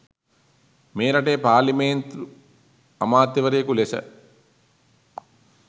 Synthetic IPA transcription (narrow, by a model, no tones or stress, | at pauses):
meːɾɐʈejːpaːlimeːnt̪ɾu | amaːt̪jiʋɐɾejəkulesə̰